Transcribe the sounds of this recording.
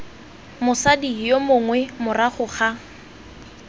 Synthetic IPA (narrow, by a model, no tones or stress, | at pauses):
mʊsadijomʊŋwɛmʊraχʊχa